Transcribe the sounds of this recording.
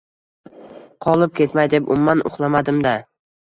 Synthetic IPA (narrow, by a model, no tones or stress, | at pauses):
qʰɒlˠɪp̚kʲʰe̞t̪majd̪e̞pʊ̰mːanʔʊ̰χlˠamad̪ɪmd̪a